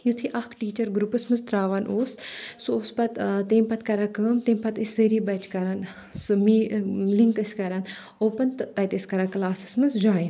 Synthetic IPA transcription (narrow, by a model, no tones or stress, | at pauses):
jut̪ʰiʔɐkʈiːt͡ʃɐɾɡɾupɨsmɨnzt̪ɾaːʋɐnʔoːssuoːspɐt̪t̪eːmpɐt̪kɐɾaːkəmt̪eːmpɐt̪iszəɾibɐt͡ʃkɐɾan | smiliŋkɨsʲkɐɾan | oːpɐnt̪t̪ɐjt̪esʲkɐɾaːklaːsɨ̥smɨnzd͡ʒaːin